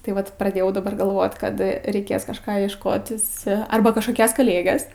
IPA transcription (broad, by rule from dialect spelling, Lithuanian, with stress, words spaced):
tɐɪ ˈʋɐt prɐˈdʲeːjɛʊ dɐˈbɐr ɡɐlˠˈʋoːt ˈkɐt rʲɛɪˈkʲeːs kɐʃˈkɑː iɛʃˈkoːtʲɪs ˈɐrbɐ kɐʃkoːˈkʲɛs kɐˈlʲeːɡʲɛs